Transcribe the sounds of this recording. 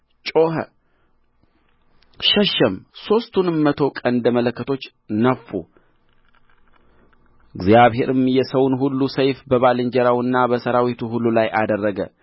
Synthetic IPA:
t͡ʃʼo̞ɦə̰ | ʃɛʃːəmso̞st̪ʰunmːət̪ʰo̞kʼənd̪əmələkːət̪ʰo̞t͡ʃː | nəfːu | ɨɡzjaβhe̞ɾɨmjɛsəwnɦulːusəjfbəβalɨɲd͡ʒɛɾawɨnːabəsəɾawit̪ʰuhulːulajʔad̪ərːəɡə̰

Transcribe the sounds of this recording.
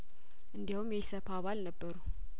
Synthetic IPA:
ʔɨnd̪ihumjɛsəfaβalnəbːəɾu

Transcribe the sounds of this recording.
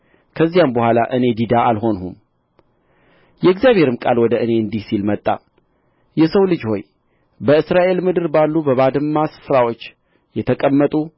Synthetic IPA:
kʰəzːijambəhʷwala̰ʔɨne̞d̪id̪aalɦo̞nɦum | jɛɡzijaβhe̞ɾɨmkʼalwɔd̪əʔɨne̞ɨnd̪ihsilmət̪ʼːa̰ | jɛsəwlɨd͡ʒho̞j | bəɨsɾaʔe̞lmɨd̪ɨɾbalːubəβad̪ɨmːasɨ̥fɨɾawo̞t͡ʃː | jɛt̪ʰəkʼəmːət̪ʼu

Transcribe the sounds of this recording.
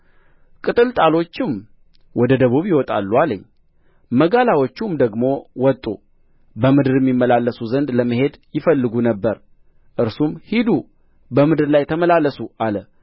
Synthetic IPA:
kʼɨt̪ʼɨlt̪ʼalo̞t͡ʃːɪm | wɔd̪əd̪əβuβjɪwɔt̪ʼa̰lːualəɲː | məɡalawot͡ʃːumd̪əɡmo̞wɔt̪ʼːu | bəmɨd̪ɨɾjɛmːimːəlalːəsuzənd̪ləməɦe̞d̪jɪfəlːɨɡunəbːəɾ | ʔɨɾsumhid̪u | bəmɨd̪ɨɾlajt̪ʰəməlalːəsuʔalə

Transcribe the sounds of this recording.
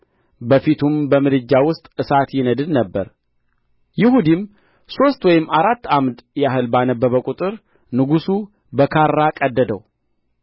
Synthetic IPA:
bəfit̪ʰumbəmɨd̪ɨd͡ʒːawʊst̪ʼɨsat̪jɪnəd̪ɨd̪nəbːəɾ | jɪhud̪im | so̞st̪wɔjɪmaɾat̪ːamd̪jaɦɨlbanəbːəβəkʼut̪ʼɨɾ | nɨɡusu | bəkʰaɾːakʼəd̪ːəd̪ə̰w

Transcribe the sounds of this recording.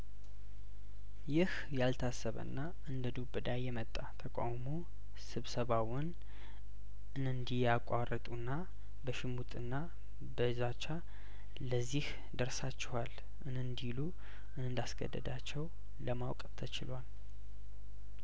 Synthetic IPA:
jɪh | jalt̪ʰasəβə̰nːa | ʔɨnd̪əd̪ubɨd̪ajɛmət̪ʼːat̪ʰəkʼa̰wmo | sɨβsəβawɔn | ʔɨnɨnd̪ijakʷʼarʔət̪ʼunːa | bəʃɪmut̪ʼɨnːa | bəzat͡ʃːa | ləzːih | d̪əɾsat͡ʃːɛwal | ʔɨnɨnd̪ilu | ʔɨnɨnd̪asɡə̰d̪ːə̰d̪at͡ʃːɛw | ləmawkʼt̪ʰət͡ʃɪlwal

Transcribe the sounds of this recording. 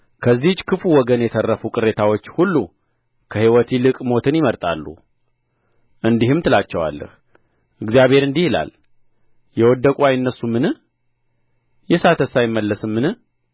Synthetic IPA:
kʰəzːiht͡ʃːkʰɨfuwɔɡənjɛt̪ʰərːəfukʼɨɾːe̞t̪ʰawo̞t͡ʃːhulːu | kʰəhiwɔt̪ʰilɨkʼmo̞t̪ʰɨnjɪməɾt̪ʼa̰lːṵ | ʔɨnd̪ihɨmt̪ʰɨlat͡ʃːɛwa̰lːə̰h | ʔɨɡzijaβhe̞ɾɨnd̪ihila̰l | jɛwɔd̪ːəkʼajɨnːəsːumːɨnɨh | jɛsat̪ʰəsajɪmːəlːəsɨmːɨnɨh

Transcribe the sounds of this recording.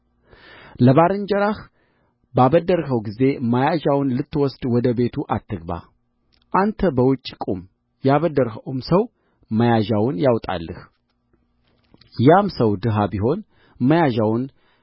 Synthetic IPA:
ləβaɾɨnd͡ʒəɾah | baβəd̪ːəɾɦəwɡize̞majaʒawnlɨt̪ːwɔsd̪̥wɔd̪əbe̞t̪ʰuʔat̪ʰːɨɡba̰ | ʔant̪ʰəbəwʊt͡ʃʼːikʼum | jaβəd̪ːəɾhəwmsəw | məjaʒawʊnjawt̪ʼa̰lːəh | jamsəwd̪ɨɦabiɦo̞n | məjaʒawʊn

